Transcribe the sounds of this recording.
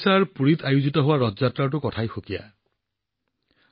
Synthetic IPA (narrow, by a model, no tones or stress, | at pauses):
saɹpuɾit̪ʰajud͡ʒit̪ɔɦowaɾɔd͡ʒatɾaʈ̬ukɔtʰajxokija̰